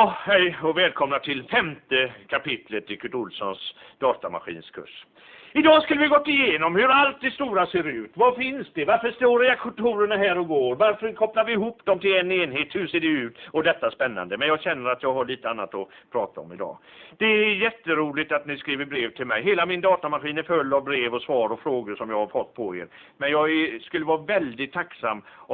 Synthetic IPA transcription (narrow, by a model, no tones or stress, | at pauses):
ɑhɛjɔvɛːlkʰɔmnat̪ʰɪlfɛmt̪əkʰapɪt̪lət̪ɪkʰɵʈʊlsɔnsd̪̥ɑːt̪ama̰ɧḭːnskʰɵ̰ʂ | ɪd̪ɑːskɵləvɪhaɡɔt̪ːɪjeːnɔmhɵɾalt̪̚d̪ɛst̪uːɾaseːɾʉ̟ːt̪vafɪnsd̪ɛvaɾfəʂt̪oːɾjakʰɔnt̪ʰuːɾəɳaɦæːɾɔɡoːɾvaɾfəɾkʰɔplaɾvɪɪɦuːpd̪̥ɔmt̪ʰɪlɛnːeːnɦeːt̪hɵʂeːɖɛʉ̟ːt̪ɔd̪ɛt̪ːaspɛnːa̰nd̪əmɛnjɑːɡɕɛnːəɾat̪jɑːɡɦaɭiːt̪əanːa̰t̪ɔpʰɾɑːt̪aɔ̰mɪd̪ɑ̰ːd̪̥ɛːjɛt̪ːəɾuːlɪt̪at̪nɪskɾiːvəɾbɾeːvt̪ʰɪlmɛ̰jɦeːlamɪnd̪ɑːt̪amaɧiːnæɾfɵlːavbɾeːvɔsvɑːɾɔfɾoːɡəʂɔmjɑːɡhaɾfɔt̪ːpʰɔḛːɾ | mɛnjɑːɡɛskɵlːəvɑːavɛld̪ɪt̪ʰːaksa̰mː